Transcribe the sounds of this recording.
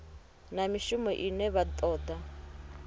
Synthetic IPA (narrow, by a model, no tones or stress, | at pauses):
namiʃumɔʔinɛβat̪ʼɔːd̪a